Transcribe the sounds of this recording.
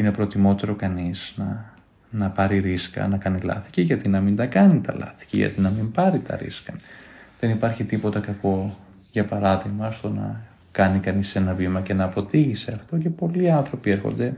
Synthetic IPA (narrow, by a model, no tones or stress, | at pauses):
ine̞pɾo̞t̪imo̞t̪e̞ɾo̞kɐnisnɐ | nɐpɐɾiɾiskɐ̰nɐkɐnilɐ̰θi̥ciʝɐt̪inɐmind̪ɐkɐnit̪ɐ̰lɐ̰θi̥cḭʝɐ̰t̪inɐmimpɐɾit̪ɐ̰ɾḭskɐðe̞nipɐɾçit̪ipo̞t̪ɐkɐko̞ | ʝɐpɐɾɐðiɣmɐst̪o̞nɐ̰ | kɐnikɐnise̞nɐvimɐce̞nɐːpo̞t̪iʝiseɐft̪o̞ce̞po̞liɐnθɾo̞pie̞ɾxo̞̰nd̪e̞